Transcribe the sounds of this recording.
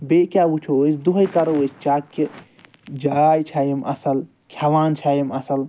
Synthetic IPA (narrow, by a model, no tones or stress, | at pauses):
bekʲjaːut͡ʃʰoosd̪uɦɐjkɐɾoəst͡ʃaːkːi | d͡ʒajt͡ʃʰaːjimɐ̰sɐl | kʰjaʋaːnt͡ʃʰaːjimɐsɐl